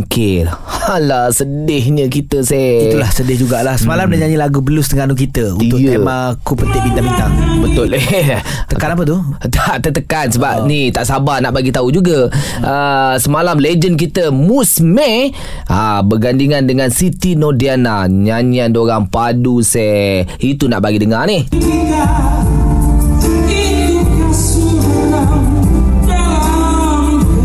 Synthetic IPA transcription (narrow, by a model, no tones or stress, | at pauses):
ŋkɪhalasədɪhɲə̃kit̪əsɛiulahsədɪhd͡ʒuɡaʔlahsəmalamnaɲaɲilaɡubəlʊst̪əŋanuk̬it̪əṵnt̪ʊkemakupət̪ɪʔ̚mint̪amint̪aŋbət̪ʊle | t̪əkanap̬ət̪̬ut̪aʔt̪ət̪əkansəbap̚nit̪aʔsabanaʔbaɡit̪aud͡ʒuɡaʔəsəmalamled͡ʒənk̬it̪əmusmɛ̃ | abəɡandiŋandəŋansit̪inɔdianaɲaɲiandoɾaŋpadusɛit̪una̰ʔbaɡidəŋanɪhia | it̪ukasu